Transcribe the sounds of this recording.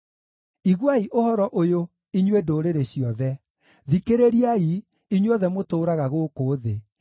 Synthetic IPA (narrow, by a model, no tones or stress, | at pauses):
iɣwaiʔohɔɾɔʔojo | iɲwedoːɾeɾeɕiɔðɛ | ðikeɾeɾiai | iɲwɔðɛmotoːɾaɣaɣokoːðe